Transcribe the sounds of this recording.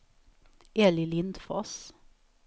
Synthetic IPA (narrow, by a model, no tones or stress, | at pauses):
elɪlɪnd̪fɔs